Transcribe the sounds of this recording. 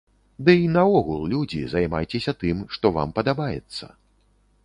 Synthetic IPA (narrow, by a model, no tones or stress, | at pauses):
d̪ɨinɐɔɣulˠlʲud͡zʲḭzajma̰jt͡sʲesʲɐt̪ɨmʂt̪ɔva̰mpɐd̪abajɛ̰t̪sːɐ̰